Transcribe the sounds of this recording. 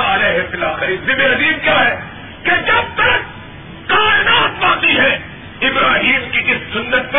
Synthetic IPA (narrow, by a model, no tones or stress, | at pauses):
aːɾeɦefɪlaːxɪɾizɪbeɾɐziːmkjaːɦɛː | ked͡ʒɐb̚t̪ɐɾə | kaːɪnaːt̪bãːt̪iɦɛː | ɪbɾaːɦiːmkikɪssʊnːət̪̚kɐ